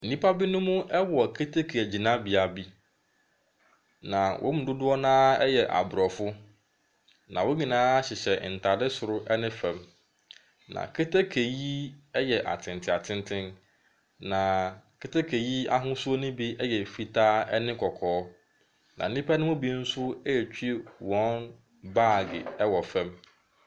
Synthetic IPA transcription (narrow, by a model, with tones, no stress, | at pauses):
n̩˨nĩ˦pʰa˦bi˦nʊ̃˦mʊ̃˦ʔɛ˦wɔ˨kʰe˦tʰe˦kʰe˨æ˨d͡ʑi˨nã˦bi˨a˨bi˦ | nã˨wʔɔ̰˦mʊ̃˨dʊ˦dʊ˦ɔ˦nãː˦ɛ˦jɛ˨ʔa̰˨bɾɔ˨fʊ˦ | nã̰˨wo˦ɲĩ˨nãː˦ɕɪ˨ɕɛ˨n̩˨tʰa˨dɪ˦sʊ˨ɾʊ˦ʔɛ˦nɪ̃˦fɛ̃˨m | nã̰˨kʰe˦tʰe˦kʰe˨ji˦ɛ˦jɛ˨ʔa̰˨tʰɪ̃˨ntʰɪ̃˨a˨tʰɪ̃˦ntʰɪ̃˦n | nã˨kʰɪ˦ta˦kʰe˨ji˦a˦ɦʊ̃˦sʊ˦o˦nʊ̃˦bi˦ɛ˦jɛ˨fi˨tʰaː˦ɛ˦nɪ̃˦kʰɔ˨kʰɔː˨˦ | nã̰˨n̩˦nĩ˦pʰa˦nʊ̃˦ʊ̃˦bi˦n̩˦sʊ˦ɛ˦ɛ˨t͡ɕᶣʰi˦e˦wɔ̃˦n | baː˦˨ɡɪ̰˨ɛ˦wɔ˨fɛ̃˦m